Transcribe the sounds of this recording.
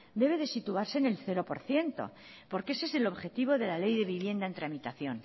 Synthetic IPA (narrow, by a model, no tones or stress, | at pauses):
d̪e̞β̞e̞ðe̞sit̪uaɾse̞ne̞lθe̞ɾo̞po̞̰ɾθje̞nt̪o̞̰ | po̞ɾkese̞se̞lo̞βxe̞t̪iβ̞o̞ðe̞lale̞jðe̞βiβje̞nd̪aent̪ɾamit̪aθjo̞n